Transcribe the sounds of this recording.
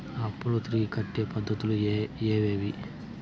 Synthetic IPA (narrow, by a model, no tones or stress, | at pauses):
ɐpːuɽut̪ɾiːkʰɐʈːeːpɐd̪ʱːɐt̪ulueːʋeːʋi